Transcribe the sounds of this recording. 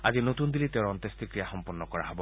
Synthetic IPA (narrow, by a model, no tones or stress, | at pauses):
ad͡ʒinot̪und̪ilit̪eɔnt̪est̪ikɾijaxɔmpɔnːɔkɔɾaɦɔbɔ